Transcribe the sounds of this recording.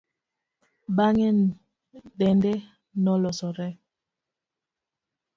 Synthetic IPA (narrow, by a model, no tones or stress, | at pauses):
baŋɛ | ɗɛndɛ | nɔlɔsɔɾɛ